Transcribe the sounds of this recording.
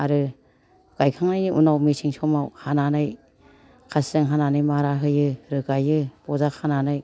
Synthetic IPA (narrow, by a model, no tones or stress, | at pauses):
aɾɯ | ɡ̥ajkʰaŋnajniʔunawmisʰiŋsʰɔmawhananɯj | kʰasɯŋɦananɯjmaɾaɦɯjɯɾɯɡajɯbɔzakʰananɯj